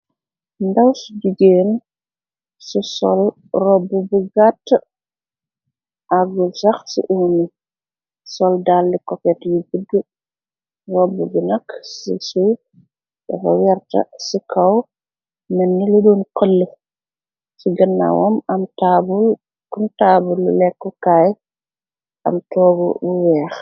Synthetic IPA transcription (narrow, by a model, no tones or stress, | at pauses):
ndɐwsud͡ʒiɡeːn | susɔ̰l | rɔbːubuɡatː | ʔaɡusɐxsḭʔuːni | sɔldalːikɔpɛtjubuɡə | rɔbːubunɐkːsḭsuː | dɛ̰fɐ̰wɛrtɐ̰sikʰɐw | mɛnːiludɔːnkəlːə | siɡənːa̰wɔmɐmtabul | kuntaːbulːṵlɛkːɔkaːj | ʔɐ̰mtɔːɡɔ̰buwɛːx